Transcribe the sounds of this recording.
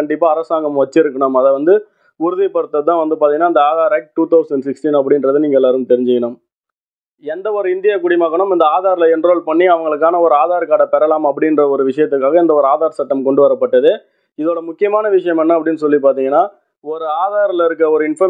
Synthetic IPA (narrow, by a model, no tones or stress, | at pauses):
ɐɳɖɪpːaːɐɾɐsaːŋɡɐmʋɐt͡ʃːɪɾɯkːɐɳɐmɐðɛʋɐnd̪ɯ | ʊɾɯðɪpːɐɽɯt̪ːɐðt̪ːãːʋɐnd̪ɯpaɾt̪iŋɐnaːɪnd̪ɐaːðaːɾɐɪk̚ʈ̚ʈːuːt̪ɐʊsɛɳɖsɪksʈinɐp̬ːɐɽɪnɾɐðɯniːŋɡɐɛlːaːɾɯmt̪ɛɾɪɲd͡ʒɪkɐnʊm | ɛnd̪ɐɔɾɯɪnd̪ɪjaːkʊɽɪmaːɣɐɳɯmɪnd̪ɐaːðaːɾɪlɐɪndɾoːlpɐɳːiɐʋɐŋɡɐɭɯkːaːnɐɔɾɯaːðaːɾkaːɽɐpɛɾɐlaːmɐp̬ːɐɽɪnrɐɔɾɯʋɪʂɐjɐt̪̬ːɯkːaːɣɐɪnd̪ɐɔɾɯaːðaːɾsɐʈːɐmkɔɳɖɯʋɐɾɐpːɐʈːɐðɯ | ɪðoːɽɐmʊkːɪjɐmaːnɐʋɪʂɐjɐmɛnːɐɐpːɐɽɪnːɯsɔlːip̬aːɾt̪iːŋɡɐnːaː | ɔɾɯaːðaːɾlɪɾɯkːɾɐɔɾɯɪnfɐ